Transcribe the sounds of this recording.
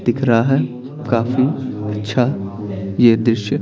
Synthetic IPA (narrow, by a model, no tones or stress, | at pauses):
d̪̥ɪkʰɾaɦaɦɛ | kaːfiɐtːʃʰa | jed̪ɾɪʃjə